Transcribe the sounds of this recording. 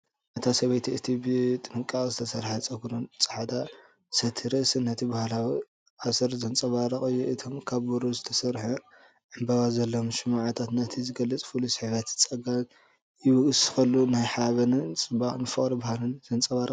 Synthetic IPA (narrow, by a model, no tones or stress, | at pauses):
ʔɐt̪ʰasɐβɐjt̪ʰiɨt̪ʰibɨt̪ʼɨnɨkʼazɨt̪ʰɐsɐɾħat͡sʼɐɡɾont͡sʼɐ̥ħad̪a | sɐt̪ʰɨɾɐsɨnːɐt̪ʰibahalawi | ʕasɨɾzɐnt͡sʼɐβaɾɐχʼɨjːuʔɨt̪ʰomkʰaβːuɾuzɨt̪ʰɐsɐɾħu | ʕɨmbaβazɐlːomʃɨmaʕat̪ʰat̪nɐt̪ʰizɨɡɐlːɐt͡sʼfulusɨħβɐt̪t͡sʼɐɡa | jɪwɐɡɨsɨxɐlːunajħaβɐnɨt͡sʼɨbaχʼnɨfɨχʼɾibahalɨnzɐnt͡sʼɐβaɾɐ